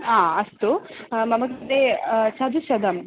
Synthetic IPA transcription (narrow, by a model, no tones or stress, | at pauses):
ãːɐst̪umɐmɐɡɐd̪eʃɐd̪ʱuʃɐd̪ɐm